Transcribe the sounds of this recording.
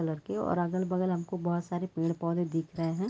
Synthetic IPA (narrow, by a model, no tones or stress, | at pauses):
ələɾkeɔ̰ːɾɐɡəlbɐɡəlɦɐmkobɔːt̪saːɾepeːɽ̃pɔːled̪ɪkʰɾɐɦeɦɛ̃ː